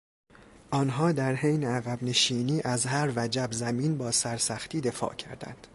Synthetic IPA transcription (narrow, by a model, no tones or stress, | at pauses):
ʔɒːnɦɒːd̪æɾhejneæɣæbne̞ʃiːniːʔæzɦæɾvæd͡ʒæbzæmiːnbɒːsæɾsæxt̪iːd̪e̞fɒ̰ːʔcʰæ̰ɾd̪æ̰nd̪̥